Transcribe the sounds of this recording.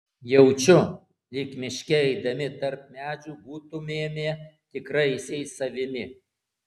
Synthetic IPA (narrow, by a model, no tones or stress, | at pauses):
jɛʊt͡ʃʲʊ | lʲɪkmʲɪʃʲkʲɛɛɪd̪ɐmʲɪt̪ɐɾp̚mʲæːd͡ʒʲuːbuːt̪ʊmʲeːmʲeːt̪ʲɪkɾɐɪsʲɛɪsɐʋʲɪmʲɪ